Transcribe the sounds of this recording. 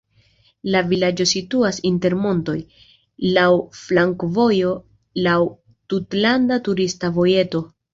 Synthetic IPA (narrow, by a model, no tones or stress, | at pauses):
lavilad͡ʒo̞situasinte̞ɾmo̞nto̞j | lawflaŋkvo̞jo̞ | law | tutlandatuɾistavo̞je̞to̞